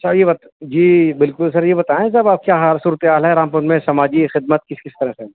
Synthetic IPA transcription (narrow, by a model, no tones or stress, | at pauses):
sɐjebɐt̪ | d͡ʒiːbɪlkʊlsɐɾjebɐt̪aːẽsabaːp̚kjaːɦaɾsuːɾət̪eɦaːlɦɛɾãːmpʊnmẽsɐmaːd͡ʒixɪd̪mət̪̚kɪskɪst̪ɐɾɦɛ̃se